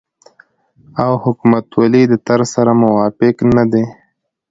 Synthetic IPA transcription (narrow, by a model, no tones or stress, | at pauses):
awhʊkumat̪walid̪ət̪aɾsaɾamʊwɑfɪknad̪e